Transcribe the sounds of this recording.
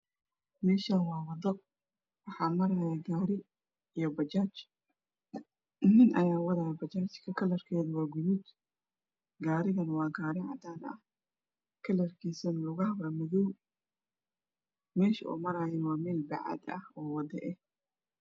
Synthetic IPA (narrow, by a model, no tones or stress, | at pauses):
mɛːʃaːnwɑːwɑd̪ɔ | wɑħɑːmɐɾaːjɛɡaːɾɪ | ijɔbɐt͡ʃaːt͡ʃ | nɪnʔɐjaːwɐðaːjbɐt͡ʃaːt͡ʃkʰɐkʰɐlɐrkʰɛːðɐwɑːɡʊðuːd̪ | ɡaːɾɪɣɐnɐwɑːɡaːɾɪʕɑ̰d̪aːnɐ̰h | kʰɐlɐrkʰiːsɐnɐlʊɣɐhβɐmɪðɔw | mɛːʃɐʔṵːmɐɾaːjɛnwɑːmɛːlbɑ̰ʕɑ̰d̪ɐ̰hɔːwɑd̪ɛʔɛ